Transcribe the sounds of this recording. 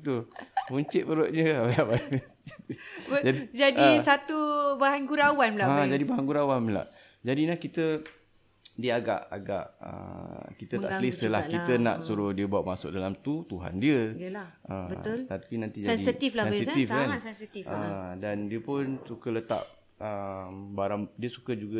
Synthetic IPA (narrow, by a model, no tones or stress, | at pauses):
t̪upuɲt͡ʃɪt̪̚pəɾoʔ̪̚ɲəbajaba | d͡ʒt̪d͡ʒadid͡ʒadisat̪ubaɦanɡuɾawanmlaad͡ʒadibaɦanɡuɾawanməla̰ʔ | d͡ʒadinahkit̪ə | diəaɡa̰ʔaɡa̰ʔə̰kit̪ət̪a̰ʔsəlisəlakiənã̰ʔsuɾʊhdiəbaat̪ʔ̚masʊ̰k̚dalamt̪ut̪uɦa̰ndiəlaʔəbəlt̪apinãnt̪id͡ʒaɛndisit̪iflasɛssit̪ifkansɛnsit̪ifədandiəpʊnsukələt̪a̰ʔ̚ | əmbaɾaŋdiəsukəd͡ʒuɡə